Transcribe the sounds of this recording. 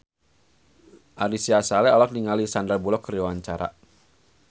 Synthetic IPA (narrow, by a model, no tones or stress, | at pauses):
ʔaɾisiasalɛɔlak̚niŋalisandarbulɔkriwaɲt͡ʃaɾa̰